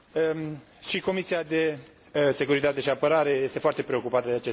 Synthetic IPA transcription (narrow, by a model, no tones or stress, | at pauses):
ʃiko̞misiad̪e̞ | se̞kuɾit̪at̪e̞ʃiapəɾaɾe̞je̞st̪e̞foart̪e̞pɾe̞o̞kupat̪əd̪eat͡ʃe